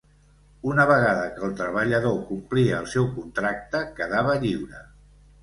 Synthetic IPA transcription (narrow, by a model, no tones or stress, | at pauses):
unəβəɣaðəkəlˠt̪ɾəβəʎəðokumpliəːlˠsɛwkunt̪ɾak̚t̪əkəðaβəʎiwɾə